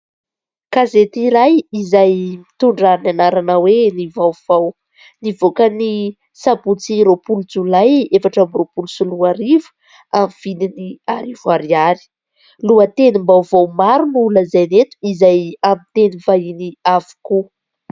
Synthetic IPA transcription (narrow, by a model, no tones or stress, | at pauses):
kazet̪iɾajizajmit̪uɳɖ͡ʐaɾinanaɾanawenivawv̥aw | nivokəni | sabut͡siɾopulud͡zulajefaʈ͡ʂamiropulusuluaɾivu̥ | amiv̥ininiaɾivuaɾiaɾi̥ | luət̪enimbawvawmaɾunuləzajnet̪u̥izajamit̪enivainiavu̥ku